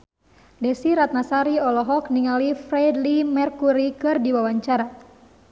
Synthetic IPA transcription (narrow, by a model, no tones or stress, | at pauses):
dɛsiɾat̪̚nasaɾiɔlɔɦɔkniŋalifrɛdlimɛrkuɾikɨrdiwawaɲt͡ʃaɾa